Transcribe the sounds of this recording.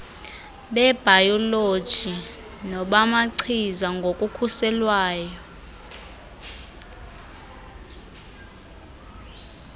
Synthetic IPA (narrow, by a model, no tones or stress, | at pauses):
ɓɛb̥ʱajɔlod̥ʒ̥ʱi | nɔɓamaǀʰizaŋɡʱokʼukʰusɛlwaːjɔ